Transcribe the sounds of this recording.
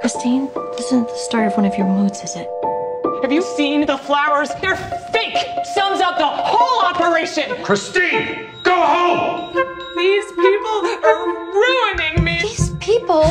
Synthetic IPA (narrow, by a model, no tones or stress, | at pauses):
kʰɹ̥ɨstĩnlɪsɨ̃nt̪̚ðəstɑɹɾʌvwʌ̃ɾnʌvjə˞mudz̥ɨzɪt̚hɨvjɨsĩnðəflaʊə˞zðə˞fɪksʌ̃nzʌʊp̪̚ðəhoʊlˠɑpə˞eɪʃɨ̃nkʰɹ̥ɨstĩn | ɡ̥oʊhõʊ̃m | ðiz̥pʰipl̩ˠə˞ɹuə̃nɪ̃ŋmiiz̥pʰipl̩ˠ